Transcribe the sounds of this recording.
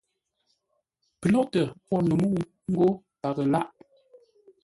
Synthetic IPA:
pə˨lɔ˦ʔtə˨pɔ˦˨nu˨mu˦˨ | ŋ̩˦ɡo˦ | pa˨ɣə˨la˦ʔ

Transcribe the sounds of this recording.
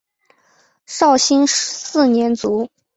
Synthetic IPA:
ʂɑ˥˩ʊɕi˥nʂ̩˧˥sɹ̩˥˩njɛ˧˥nt͡su˧˥

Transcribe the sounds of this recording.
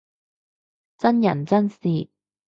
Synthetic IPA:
t͡sɐ˥njɐ˨˩nt͡sɐ˥nsiː˨

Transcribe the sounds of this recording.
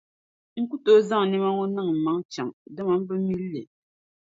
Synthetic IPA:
ŋ̩˦ku˦to˦za˦ŋ˨ne˦ma˦ŋo˦na˦˨ŋ̩˨ma˨˦ŋ˦t͡ʃa˨ŋdə˦ma˨m̩˦bə˦mi˦lːe˨

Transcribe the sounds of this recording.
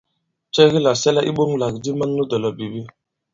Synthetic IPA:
t͡ʃɛ˦ɣi˦la˨sɛ˦lɛ˦ʔi˦ɓo˦ŋ˦la˨kdi˦ma˦n˦nu˦dɔ˨lɔ˨bi˨bi˦

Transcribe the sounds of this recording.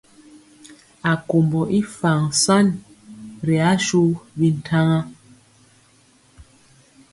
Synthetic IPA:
a˨ko˨mbɔ˨ʔi˦fa˨ŋsa˦n | ɾi˨a˨˦ʃu˦bi˦n̩˨tʰa˦ŋa˦

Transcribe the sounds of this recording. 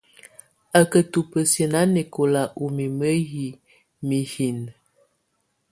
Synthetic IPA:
ə˨kə˨tu˨pə˨sjə˨na˦ne˨ko˨la˨ʔu˨mi˨mə˦ji˨ | mi˨hi˨n

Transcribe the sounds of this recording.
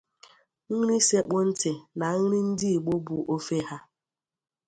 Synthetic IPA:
ŋ̩˦ɾi˦se˦k͡po˦n̩˦tɪ˨na˨ŋ̩˦ɾɪ˦n̩˦dɪ˦i˨ɡ͡bo˦bu˨ʔo˦fe˦ɦa˦

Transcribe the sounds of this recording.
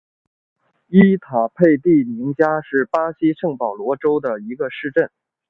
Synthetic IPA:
i˥t̪ʰa˨˩pʰe˥˧ɪt̪i˥˩mi˧˥ŋt͡ɕja˥ʂɻ̩˥˩pa˥ɕi˥ʂɤ˥˩ŋpɑ˨˩ʊlwɔ˧˥ʈ͡ʂo˥ʊd̪ə˨˩i˧˥ɡə˧ʂɻ̩˥˧ʈ͡ʂə˥˩n

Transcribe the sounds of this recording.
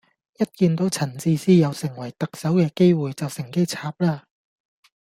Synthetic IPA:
jɐ˥t̚kiː˧nt̪o˨˥wt͡sʰɐ˨˩nt͡siː˧siː˥jɐ˨˧wsɪ˨˩ŋwɐ˨˩jt̪ɐ˨k̚sɐ˨˥wkɛː˧ke˥jwuː˨˩jt͡sɐ˨wsɪ˨˩ŋke˥jt͡sʰaː˧p̚laː˥

